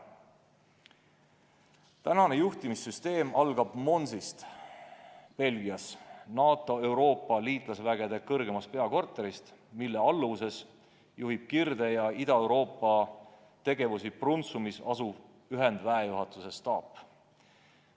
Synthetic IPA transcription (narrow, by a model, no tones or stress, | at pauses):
t̪ænɑne̞juht̪imisyst̪e̞ːmʔɑlɡ̥ɑb̥mo̞nsist̪ | pe̞lɡiɑsnɑːt̪ːˑo̞e̞wɾo̞ːpːˑɑliːt̪ˑlɑsvæɡ̥e̞d̪e̞kɤrɡ̥e̞mɑst̪pe̞ɑko̞rt̪ːˑe̞ɾist̪milːe̞ɑlːuse̞s | juɦib̥̚kird̪̥e̞jɑid̪̥ɑe̞wɾo̞ːpːˑɑ | t̪e̞ɡ̥e̞vusiprunt̪sumisɑsub̥ | yɦe̞nd̪̥væejuɦɑt̪ːˑuse̞st̪ɑːpː